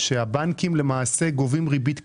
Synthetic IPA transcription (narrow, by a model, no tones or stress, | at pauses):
ʃehabankimle̞maːse̞ɡovimʁibit̪k